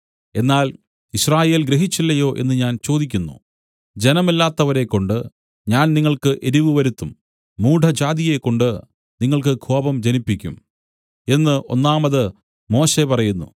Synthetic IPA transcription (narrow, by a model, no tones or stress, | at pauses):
e̞nːaːl | iɕraːje̞ːlɡɾeɦit͡ɕːilːɐjo̞ːʔe̞̰nːɨɲaːnt͡ɕo̞ːd̪ikʲːunːṵ | d͡ʑe̞nɐmilːaːt̪ːɐʋɐɾe̞kːo̞ɳɖɨ | ɲaːnniŋːɐɭkɨʔe̞ɾiʋɨʋɐɾut̪ːumː | uːɖʱɐd͡ʑaːd̪ije̞kːo̞ɳɖɨ | niŋːɐɭkɨkʰoːbɐmd͡ʑɐnipːikʲːum | e̞nːɨʔo̞̰nːaːmɐðɨ | mo̞ːɕe̞pɐrɐjunːṵ